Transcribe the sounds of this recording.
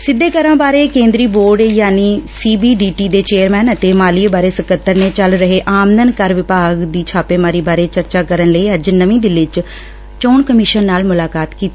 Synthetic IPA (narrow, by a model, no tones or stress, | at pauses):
sɪd̪ːeːkəɾãːbaːɾeːkẽːnd̪ɾiːboːɾɖjaːniːsiːbiːɖiːʈiːd̪eːt͡ʃeːəɾmɛːnət̪eːmaːlibaːɾeːsəkət̪ːəɾneːt͡ʃəlɾəɦeːʔaːmd̪ənkəɾʋɪpaːɡd̪iːt͡ʃʰaːpeːmaːɾiːbaːɾeːt͡ʃəɾt͡ʃaːkəɾənləiːəd͡ʒnəʋĩːd̪ɪlɪt͡ʃ | t͡ʃoːɳkəmɪʃənːaːlmʊlaːkaːt̪kiːt̪i